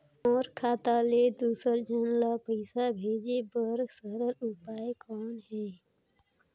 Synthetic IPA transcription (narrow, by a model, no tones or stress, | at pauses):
ɔːɾkʰaːt̪aːled̪uːsəɾd͡ʒənlapəɪsabʱeːd͡ʒebəɾɡsəɾəɾʊpaːekɔːnɦɛː